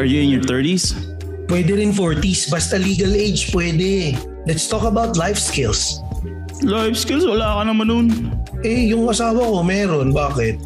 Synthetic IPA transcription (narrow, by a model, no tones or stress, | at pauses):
ɹjuɪ̃ŋjɔɹt̪ɛɹt̪is | pwɛːd̪ɛɾɪnfoɹt̪isbast̪ɐliːɡɐlejd͡ʒpwɛːd̪ɛ | lɛt̪st̪ɔːkɐbawt̪lajfskɪls | lajfskɪlswɐlaːkɐnɐmanʊnʔɛjʊŋʔɐsaːwɐko̞mɛːɾonbaːkɪt̪̚